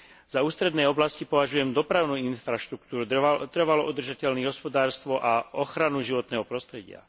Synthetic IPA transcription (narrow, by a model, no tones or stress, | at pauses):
z̥auːst̪ɾɛd̪nɛːjɔblascipɔʋaʒujɛmd̪ɔpɾaʊnuːinfɾaʃt̪ɾukt̪uːɾut̪r̩ʋalɔud̪r̩ʒacɛlniːɦɔspɔd̪aːɾst̪ʋɔʔaɔxɾanuʒiʋɔt̪nɛːɦɔpɾɔst̪ɾɛɟɪa̰